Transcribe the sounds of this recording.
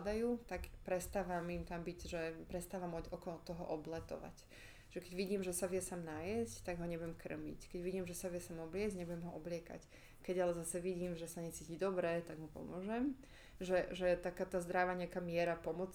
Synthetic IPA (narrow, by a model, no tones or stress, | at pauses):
d̪ajuːt̪aɡpɾɛst̪aːʋamimt̪ambiɟʒɛpɾɛst̪aːʋamɔɔkɔlt̪ɔɦɔʔɔblɛt̪ɔ̰ʋa̰c | ʒ̥ɛkɛɟʋiɟiːmʒɛsaʋjɛsaːmnajɛsct̪aɡɦɔɲɛbujɛmkr̩̰mḭckɛɟʋiɟiːmʒɛsaʋɪɛsaːmɔblɪɛzɟɲɛbujɛmɦɔʔɔblɪɛka̰c | kɛɟalɛzasɛʋiɟiːmʒɛsaɲɛt͡siːcid̪ɔbɾɛt̪aɡmupɔ̰mʊɔʒɛm | ʒɛʒɛt̪akaːt̪azd̪ɾaʋaɲɛakaːmɪɛɾapɔmɔt͡s